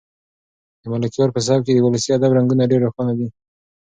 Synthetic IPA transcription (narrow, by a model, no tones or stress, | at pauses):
d̪əmalakijɑɾpəs̬ɑb̚ked̪əwʊləsiad̪abɾaŋɡunaɖeɾaxanad̪i